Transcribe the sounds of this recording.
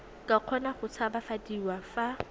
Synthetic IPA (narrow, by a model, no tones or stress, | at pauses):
kʼaq͡χʰɔnaχʊt͡sʰabafadiwafa